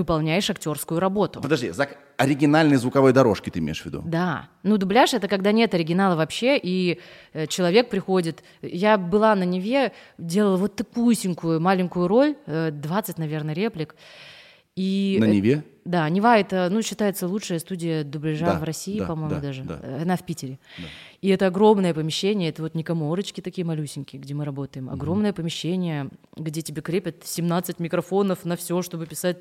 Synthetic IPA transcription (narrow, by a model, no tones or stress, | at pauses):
vɨpɐlˠnʲæjɪʂɐktʲo̞rskʊjʊɾɐbo̞t̪ʊpəd̪ɐʐdʲizak | ɐɾʲɪɡʲɪnalʲnɨjəzvʊkɐvo̞jd̪ɐɾo̞ʂkʲɪt̪ɨɪmʲḛɪʂvʲɪd̪ṵd̪anud̪ʊblʲaʂɛt̪əkɐɡd̪anʲe̞t̪ɐɾʲɪɡʲɪnalˠəvɐpɕːe̞ʔiət͡ɕɪlˠɐvʲe̞k̚pɾʲɪxo̞dʲɪt̪ | jabɨlˠanənʲɪvʲe̞dʲe̞lˠəlˠəvo̞t̪ːɐkujʊsʲɪnʲkʊjʊmalʲɪnʲkʊjʊɾo̞lʲəd̪vat̪sɨtʲnɐvʲe̞rnəɾʲe̞plʲɪk | innʲɪvʲe | d̪anʲɪvaɛt̪ənuɕːɪt̪ajɪt̪səlˠutʂɨjəst̪udʲɪjəd̪ʊblʲɪʐavrɐsʲiːpɐmo̞j̪mʊd̪aʐɨd̪a̰ɐnafpʲitʲɪɾʲɪd̪aiɛt̪əɐɡɾo̞mnəjəpəmʲɪɕːenʲɪjəɛt̪əvo̞t̪nʲɪkɐmo̞ɾət͡ɕkʲɪt̪ɐkʲijəmɐlʲusʲɪnʲkʲɪɡdʲe̞mɨɾɐbo̞t̪əjɪmɐ̰ɡɾo̞mnəjəpəmʲɪɕːenʲɪjəɡdʲetʲɪbʲe̞kɾʲepʲɪt̪sʲɪmnat̪sɨtʲmʲɪkɾɐfo̞nəfnɐfsʲo̞ʂt̪o̞bɨpʲɪsat̚ʲ